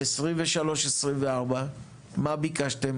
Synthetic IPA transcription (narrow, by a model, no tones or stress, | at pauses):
esʁimveʃalo̞ʃesʁimveaʁba | mabikaʃt̪em